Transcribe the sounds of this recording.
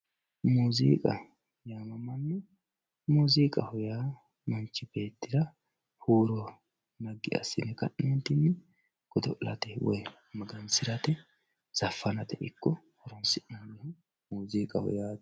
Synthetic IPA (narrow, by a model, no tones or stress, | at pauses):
muːzḭːkʼɐ | jaːmɐmɐnːɛ | muːziːkʼɐhɔjaː | mɐnt͡ʃːɪbe̞ːt̪ːɪɾɐ | huːɾɔ | nɐɡːɪ̰ɐ̰sːɪnɛkɐ̰ʔnɛnt̪ɪnːɛ | ɡ̥ɔd̪ɔʔlɐt̪ɛwɔ̰j | mɐɡɐnsɪɾɐt̪ɛ | z̥ɐfːɐnɐt̪ɛʔɪkːɔ | hɔɾɔnsɪʔɐnwɛhʊ | muːziːkʼɐ̰hɔ̰jaː